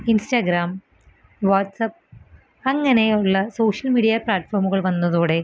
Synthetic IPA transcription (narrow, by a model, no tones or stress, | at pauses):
insʈɐɡɾaːm | ʋaːʈːsɐp̚ː | ɐŋːɐneuɭːɐsoːʂɐlmiːɽijaplaːʈːfʰoːɾmuɣɐɭʋɐnːɐðuːɽe̞